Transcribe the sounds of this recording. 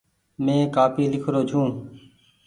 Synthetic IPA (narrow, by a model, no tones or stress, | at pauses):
mẽːkaːpiːlɪkʰɾoːt͡ʃʰũː